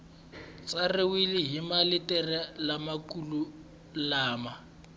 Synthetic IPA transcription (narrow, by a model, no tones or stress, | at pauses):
t͡sʼarɪwilɪɦimalɪtʼɛrɛlamakʼulu | laːma